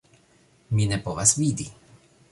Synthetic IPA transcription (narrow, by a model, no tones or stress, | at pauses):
mʲinɛpɔvasvʲid̪i